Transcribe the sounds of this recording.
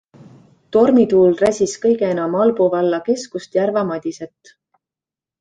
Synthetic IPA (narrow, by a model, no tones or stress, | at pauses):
t̪o̞rmit̪uːlræsʲiskɤjɡeenɑmɑlbuvɑlːɑke̞skust̪jærvɑmɑd̪̥ʲiset̪ːˑ